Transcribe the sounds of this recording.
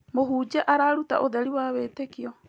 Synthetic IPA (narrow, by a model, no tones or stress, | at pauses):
moɦuːd͡ʒaʔaɾaɾuta̰ʔod̪eɾiwaβeːtekio